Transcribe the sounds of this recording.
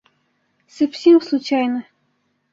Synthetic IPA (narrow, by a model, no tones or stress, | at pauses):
sɐfsʲemslˠut͡ɕajnə